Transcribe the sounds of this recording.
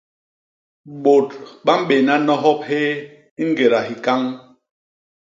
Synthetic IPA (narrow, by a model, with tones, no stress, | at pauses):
ɓo˨tɓa˦m̩˦ɓe˨na˦nɔ˦ɦɔ˦p̚he˦ | ŋ̩˦ɡe˨ɾa˨ɦi˨ka˦ŋ